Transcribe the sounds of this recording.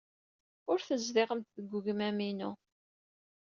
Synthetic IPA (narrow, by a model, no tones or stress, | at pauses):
ʊɾθəzðɪʁəmt̪ðəɡʷːʊʝəmæminu